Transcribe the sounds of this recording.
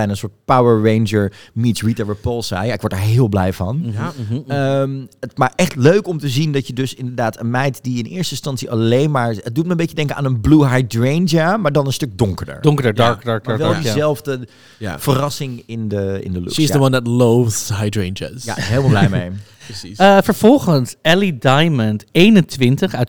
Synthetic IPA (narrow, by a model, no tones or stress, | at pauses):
ɛjnənsoːɹt̚pawəɹɹẽjnd͡ʒəɹmitɹitəɹʋəpɔlˠsa̰jaɪkʋɔɹdaːɹɦɪːlˠblɛjvɑ̰n | əmətmaːʔɛχtløɥkɔmtəzindɑtjədɵsɪndəɹdaːtənmɛjtdiɪnɪ̰ːɹstəɪ̃nstɑntsiʔalejnmaːɹət̚dut̚mɛəmbejədɛŋkənaːnənbluɦajdɹend͡ʒamaːɹdɑnənstɵk̚dʊŋkəɹdə̰ɹdɔŋkədəɹdɑɹkdɑɹk̚ʋɛlˠdizɛlˠvdə | a̰fərɑsɪŋɪndəɪ̰ndəlṵizəwʌndətlowθhajdɹẽnd͡ʒa̰ja̰ɦɪːlmˠblɛjmḛj | əsiəfəɹv̥ɔlˠχənsɛlidajməntejnəntʋɪntəχat